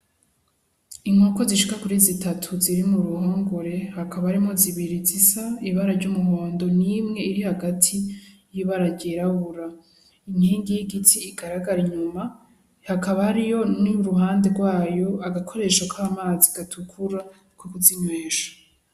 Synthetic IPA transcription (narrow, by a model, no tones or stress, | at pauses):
iŋoko̞ziʃikakuɾizitatʰuziɾimuɾuhoːŋɡoɾe̞hakʰaβaɾimoziβiɾizisaiβaɾaɾɟumuɦo̞ːndo̞nimŋe̞iɾihaɡatʰijiβaɾaɾɟeɾaβuɾa | iniːŋɡijiɡitʰiːɡaɾaɡaɾiɲuma | hakaβahaɾijo̞niɾuhaːnde̞ɾɡwaːjo̞aɡakʰo̞ɾe̞ʃakʰaːmaːziɡ̥atʰukʰuɾa | kukuziɲweːʃḁ